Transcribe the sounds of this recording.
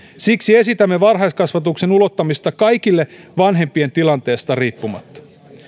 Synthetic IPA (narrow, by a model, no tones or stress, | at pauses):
siksie̞sit̪æmːe̞ʋɑrɦɑjskɑsʋɑt̪ukse̞nulo̞t̪ːɑmist̪ɑkɑjk̟ilːe̞ʋɑnɦe̞mpie̞nt̪ilɑnt̪e̞ːst̪ɑriːpːumɑ̰t̪ːɑ̥